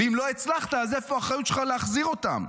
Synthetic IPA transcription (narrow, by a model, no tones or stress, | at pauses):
imloet͡slaχt̪aːzefoaχajut̪ʃelχaleaχziʁo̞t̪a̰m